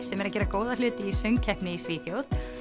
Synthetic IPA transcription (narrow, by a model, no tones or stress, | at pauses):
sɛmɛɾac̬ɛːɾakoːwðalʏːt̪ɪisœŋcʰɛhknɪisviːθjowθ